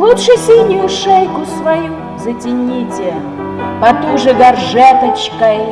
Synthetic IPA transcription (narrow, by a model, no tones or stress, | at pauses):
lˠut̪ʂɨsʲilʲnʲʊjʊʂɛjkʊsvɐju | zətʲɪnʲitʲɪ | pɐt̪uʐɨɡɐrʐɛt̪ət͡ɕkɐj